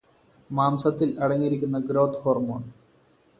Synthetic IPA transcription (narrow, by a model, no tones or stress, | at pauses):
maːmsɐt̪ːilɐɽɐŋːiɾikʲːunːɐɡɾoːt̪ːhoːrmoːɳ